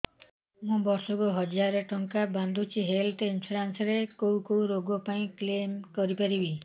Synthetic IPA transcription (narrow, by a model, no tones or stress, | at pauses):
mũbɔɾsɔkuɦɔd͡ʒaɾeʈɔŋkaband̪ʱut͡ʃʰiɦelʈinpʰuɾansɔɾekowkowɾoɡɔpaĩklemkɔɾipaɾibi